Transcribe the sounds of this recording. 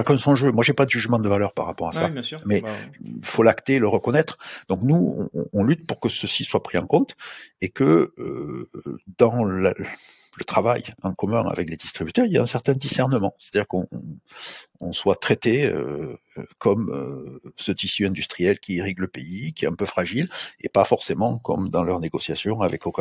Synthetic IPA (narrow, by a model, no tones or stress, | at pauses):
jakɛ̃sɔ̃ʒømwaʒepad̪əʒyʒmɑ̃d̪əvalœʁpa̰ʁːapɔʁasa̰mɛifolakt̪eləʁəkɔnɛt̪χd̪ɔ̃knuɔ̰̃ɔ̃lyt̪puʁkəsəsiswapχiɑ̰̃kɔ̃t̪ekəø | d̪ɑ̃l | lət̪χavajɑ̃kɔmɛ̃a̰vɛkled̪ist̪χibyt̪œʁiljaɛ̃sɛʁt̪ɛ̃d̪isɛʁnəmɑ̃se̥t̪ad̪iʁkɔ̃ | ɔ̃swat̪χet̪eø̰ | kɔmøsət̪isyɛ̃d̪yst̪χijɛlkʲieʁiɡləpeikʲiɛ̰t̪ɛ̃pøfχaʒilḛpafɔʁsemɑ̃kɔ̰md̪ɑ̃lœʁneɡɔsjasjɔ̃avɛkoka